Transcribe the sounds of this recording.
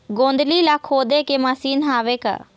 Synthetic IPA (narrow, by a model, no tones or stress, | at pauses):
ɡõːnd̪liːlakʰɦoːd̪eːkemaːsiːnɦaːʋeːka̰ː